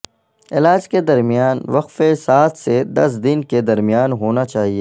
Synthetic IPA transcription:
ɪlaːd͡ʒked̪ɐɾmijaːnʋɐqfesaːt̪ʰsed̪ɐs̬d̪ɪnked̪ɐɾmijaːnɦoːnat͡ʃaːɦieː

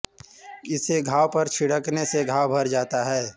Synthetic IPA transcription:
ɪseɡʱaːwpɐɾt͡ʃʰɪɽəkneseɡʱaːwbʱɐɾd͡ʒaːt̪aɦɛː

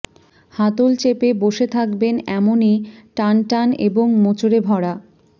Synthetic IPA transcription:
hat̪olt͡ɕepeboʃet̪ʰakbenɛmoniʈanʈaneboŋmot͡ɕoɾebʱɔɽa

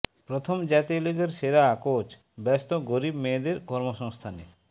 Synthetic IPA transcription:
pɾot̪ʰomd͡ʑat̪ioliɡeɾʃeɾakot͡ɕ | bɛst̪oɡoɾibmed̪eɾkɔɾmoʃɔŋst̪ʰanḛ

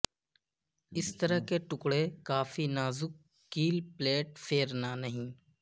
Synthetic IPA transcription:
ɪst̪əɾəɦkeʈʊkɽekaːfinaːzʊkː | iːlpleːʈpʰeːɾnanɐɦĩː

